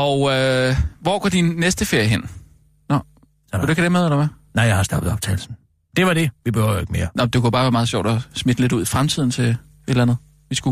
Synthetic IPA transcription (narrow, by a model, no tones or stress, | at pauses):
ɒʊøʋɒɡ̥ɒ̰d̥inːesd̥əfe̝ɐ̰jəɦen̰ | nɒ | deɡkdemeðˠlɑmænɑɪjahɑ̈sd̥ɑ̈b̥ðˠɒ̽b̥t͡sʰɛ̰ːɪl̩sn̩ | d̥e̝ʋɑɾ̥e̝ʋib̥ehø̰eɡ̥me̝ːɐnɒd̥e̝kujobɑ̈ːʋæɐɑ̈ːðˠɕjɒ̰d̥ɒsmed̥əle̝duð̰ˠifʁamt͡sʰið̞̰ˠn̩t͡sʰe̝ | e̝d̥lænð̩ˠ | ʋisɡ̥u